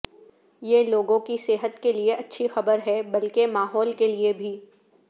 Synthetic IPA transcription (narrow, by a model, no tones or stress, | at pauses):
jeloːɡõkiseːɦət̪kelieʔɐtːʃʰixɐbəɾɦɛbɐlkemaːɦɔːlkeliebʱiː